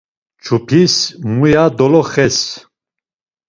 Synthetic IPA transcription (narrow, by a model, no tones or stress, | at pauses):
t͡ʃʰupʰismujad̪ɔlɔχɛs